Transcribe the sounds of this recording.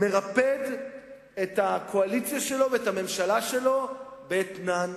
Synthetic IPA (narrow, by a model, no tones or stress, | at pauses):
me̞ʁaped̪ | et̪hakʰoalit͡sjaʃe̞lo̞veethame̞mʃalaʃelo̞bet̪nan